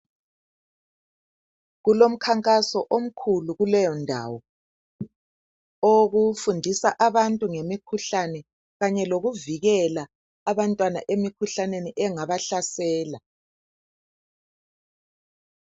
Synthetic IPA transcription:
ɣulom̩kʰaŋkʼasɔʔom̩kʰuluɣulɛjɔndʱa̰ːwɔ | oɣufundʱisaʔaβantʼuŋemikʰuɬanɛ | ɣaɲɛloɣuviɣɛlaː | βantʼwanaʔemikʰuɬaneniʔɛŋaβaɬasɛːla

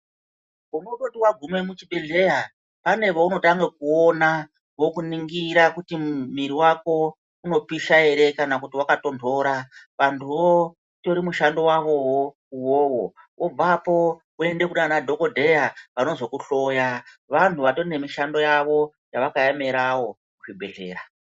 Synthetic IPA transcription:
komoɗotiwaɡʱume̞mut͡ʃiɓe̞ɮe̞ja | pane̞ʋo̞uno̞taŋɡekuona | ʋo̞kuniŋɡiɾakutimiɾiwako̞ | uno̞piʃaeɾe̞kanakutiwakato̞ndʰʱo̞ːɾaʋantʰuʋo | to̞ɾimuʃando̞waʋo̞wo | uwoːwo | ʔob͡vapo̞ | ue̞nde̞kuɗanadʱo̞ko̞dʱe̞jaʋano̞zo̞kuɬo̞ja | ʋantʰuʋato̞rine̞miʃando̞jaʋo̞ | jaʋakaemeɾawo̞ | kuʐibʱe̞ɮe̞ːɾa

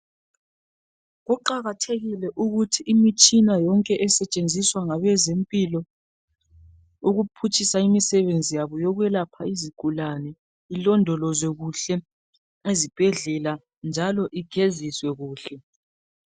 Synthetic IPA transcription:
ɣuǃaɣatʰeɣilɛʔuɣutʰiːmit͡ʃʼinajɔŋkʼɛʔɛsɛt͡ʃʼend͡zʱiswaŋaβɛzempʼilɔ | uɣupʰut͡ʃʼisaimisɛβend͡zʱijaβɔjɔɣwɛlapʰaiziɡ̥ʱulanɛ | ilɔndʱɔlɔzwɛɣuɬɛ | ezib̥ʱɛɮɛla | nd͡ʒʱalɔʔiɡ̥ʱeziswɛɣuːɬɛ

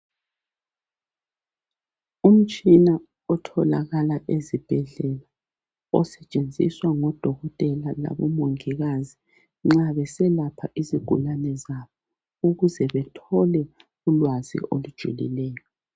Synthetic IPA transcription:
um̩t͡ʃʼina | ɔtʰɔla̰ɣalaʔezib̥ʱɛɮɛla | ɔsɛt͡ʃʼend͡zʱḭswaŋɔd̥ʱɔɣɔtʼɛlala̰βɔmoŋiɣazi | ŋ͡ǁaβɛsɛlapʰaʔiziɡ̥ʱṵlanɛzaβɔ | uɣuzɛβɛtʰɔlɛ | ulwazḭʔolud̥ʒ̥ʱṵlḭlɛːjɔ

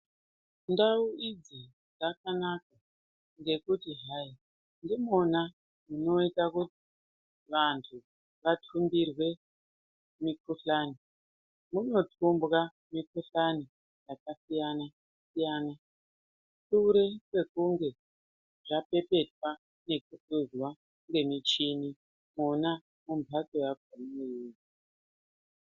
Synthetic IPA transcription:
ndauid͡zi | d͡zakanak̚a | ŋɡe̞kutiɦai | ndimo̞na | muno̞itakuti̥ | ʋantʰu | ʋatʰumbirwe̞ | mikuɬaːni | muno̞tʰumbra | mikuɬani | jakasijana | sijana | suɾekwe̞kuŋɡe̞ | ʐape̞pe̞t̚wa | ne̞kukuzwa | ŋɡe̞mit͡ʃini | muna | mumbʱatojaɡ̚ʱamejiːi

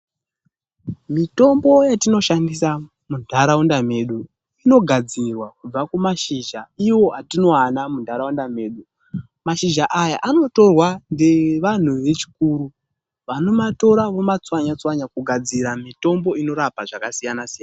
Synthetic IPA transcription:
mito̞mbo̞jatino̞ʃandisa | mundʱaɾaundame̞ɗu | ino̞ɡʱad͡zirwakub͡vakumaʃiʒaiwo̞ɦatino̞ɦanamundʱaɾaundame̞ːɗu | maʃiʒaʔajaʔano̞to̞rwandeʋan̤uʋe̞t͡ʃi̥kuːɾu | ʋanomato̞ɾaʋo̞mat͡swaɲat͡swaɲakuɡʱad͡ziɾamito̞mbo̞ino̞ɾapaʐakasijanasijaːna

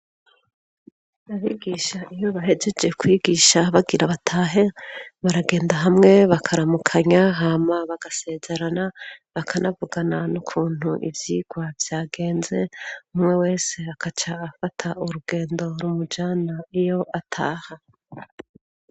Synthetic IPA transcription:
aβiɡiːʃaijo̞βaɦe̞d͡ʒe̞d͡ʒe̞kwiːɡiːʃaβaɡiɾaβatʰaːɦe̞βaɾaɡe̞ːndaɦamŋe̞βakʰaɾamukʰaɲaɦaːmaβaɡase̞ːze̞ɾanaβakʰanavuɡananukʰuːn̥huʔḭvjiɡ̥wavjaːɡe̞ːnze̞umŋe̞we̞ːse̞akat͡ʃaːfatʰauɾuɡe̞ːndo̞ɾumud͡ʒaːnaijo̞ʔatʰa̰ːha

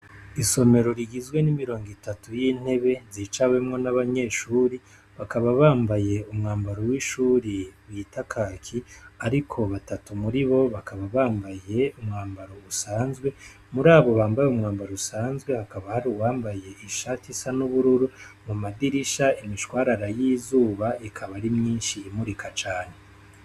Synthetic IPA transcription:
iso̞me̞ɾo̞ɾiɡizɡwe̞nimiɾo̞ːŋɡitʰatujiːn̥he̞βe̞zit͡ʃawe̞mŋo̞naβaɲe̞ʃuːɾi | βakaβaβaːmbaje̞umŋaːmbaɾowiʃuːɾiβitakʰaːkʰiaɾikʰo̞βatatumuɾiβo̞βakʰaβaβaːmbaje̞umŋaːmbaɾousaːnzɡwe̞ | muɾaːβo̞βaːmbajumŋaːmbaɾusaːnzɡwe̞hakaβahaɾiwaːmbaje̞iʃatisanuβuɾuɾumumadiɾiʃaimiʃwaːɾaɾajiːzuːβaikʰaβaɾimɲiːnʃiːmuɾikʰat͡ʃaːne̞

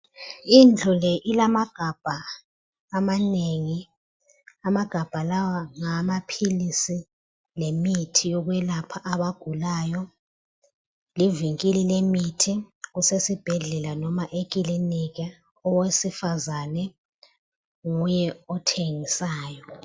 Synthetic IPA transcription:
ind͡ɮʱulɛʔilamaɡ̥ʱab̥ʱaː | maneŋi | amaɡ̥ʱab̥ʱalawaŋamapʰilisi | lemitʰijɔɣwɛlapʰaʔaβaɡ̥ʱulaːjɔ | liviŋkʼililemitʰiɣusesib̥ʱɛɮɛlanɔmaʔekʼiliniɣɛ | ɔwesifazanɛ | ŋujɛɔtʰeŋisaːjɔ

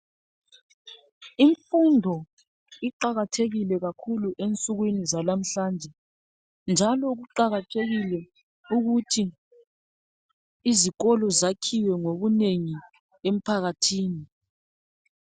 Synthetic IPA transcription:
iɱfundʱɔ | iǃaɣatʰeɣilɛɣakʰuluʔent͡sʼuɣwinizalam̩ɬaːnd͡ʒʱɛ | nd͡ʒʱalɔɣuǃaɣatʰeɣilɛ | uɣutʰi | zikɔlɔzakʰiwɛŋoβuneŋi | em̩pʰaɣatʰiːni

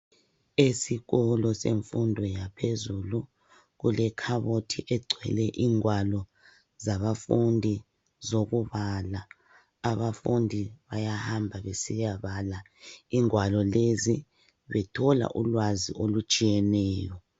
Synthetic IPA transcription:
esiɣɔlɔseɱfundʱɔjapʰezulu | ɣulɛkʰaβotʰiʔɛɡ͡ǀʱwɛ̰lɛʔiŋwalɔ | zaβafundʱi | zoɣuβalaː | βafundʱiβajahambʱaβesijaβala | iŋwalɔlezi | βɛtʰɔla̰ʔulwaziʔolut͡ʃʼijɛnɛːjɔ

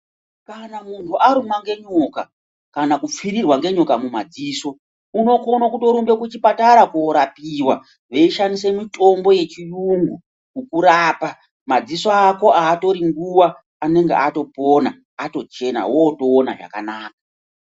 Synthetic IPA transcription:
kanamuntʰuaɾumaŋɡe̞ɲoka̰ | kanakup͡fiɾirwaŋɡe̞ɲokamumad͡ziːso̞ | uno̞ko̞nakutoɾumbe̞kut͡ʃipataɾakuːɾapiwa | ʋeiʃanisemito̞mbo̞je̞t͡ʃijuŋɡu | kukuɾaːpa | mad͡zisoako̞ʔaːto̞ɾiŋɡuwaː | ne̞ŋɡḛʔato̞po̞na̰ | ato̞t͡ʃe̞na̰woto̞ːna̰ʐa̰ka̰naːk̚ḁ

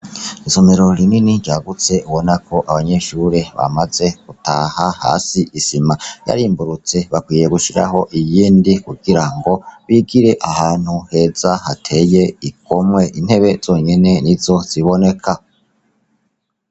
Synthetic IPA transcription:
izo̞meɾo̞ɾininiɾɟaːɡut͡se̞uwo̞nako̞ʔaβaɲe̞ʃuɾe̞βa̰maze̞ɡ̥utahaha̰ːsiʔisimaja̰ɾiːmbuɾut͡se̞βakwiːje̞ɡuʃiɾa̰ɦo̞ʔijiːndikuɡiɾaŋɡo̞βiɡiɾe̞ʔahaːn̥huhe̞ːz̥ahatʰe̞je̞iko̞mwe̞ʔin̥he̞βe̞z̥o̞ːɲe̞ne̞niz̥o̞z̥iβo̞ne̞kʰa

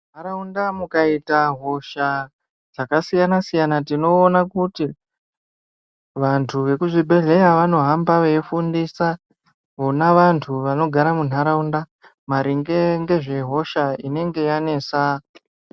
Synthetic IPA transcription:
naɾaundamukaitaɦo̞ʃa | d͡zakasijanasijanatino̞ːnakuti | ʋantʰuʋe̞kuʐibʱe̞ɮe̞jaʋano̞ɦambaʋeifundisa | ʋunaʋantʰuʋano̞ɡʱaɾamun̤aɾaunda | maɾiŋɡeŋɡe̞ʐe̞ɦo̞ʃaine̞ŋɡe̞jane̞ːsa

